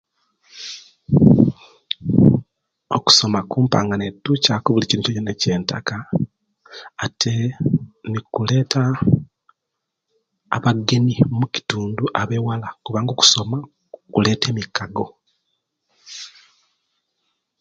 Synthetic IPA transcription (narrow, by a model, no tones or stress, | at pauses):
o̰ku̥so̞makuːmpa̰ːŋɡanetːucaːkuβuliciɾicocenece̞ːnta̰ka | tʰe̞ | nikule̞ːtʰa | βaɡːe̞nimuci̥tuːnduʔaβewalakuβaːŋɡoːku̥so̞ma | kule̞ːte̞ːmikaɡo̞